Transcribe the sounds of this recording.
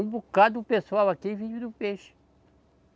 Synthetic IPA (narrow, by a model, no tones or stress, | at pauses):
ũbukad̪ʊpesuawakivid͡ʒmid̪ʊpeʃɪ̥